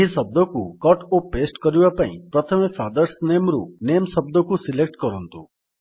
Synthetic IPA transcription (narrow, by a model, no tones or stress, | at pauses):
ɦisɔb̚d̪ɔkukɔʈopesʈkɔɾibapaḭ̃pɾɔt̪ʰɔmefʰad̪ɔɾsnemɾṵnemsɔbd̪ɔkusilek̚ʈkɔɾɔnt̪ṵ